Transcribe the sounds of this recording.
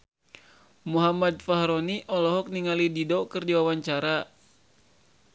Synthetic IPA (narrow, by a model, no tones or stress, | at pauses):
muɦamad̚faɦɾɔniʔɔlɔɦɔk̚niŋalididɔkɨrdiwawaɲt͡ʃaɾa